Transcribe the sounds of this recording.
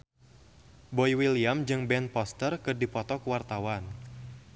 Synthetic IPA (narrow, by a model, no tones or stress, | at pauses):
bɔjwiliamd͡ʒɨŋbɛnpɔst̪ərkɨrdipɔt̪ɔkəwart̪awan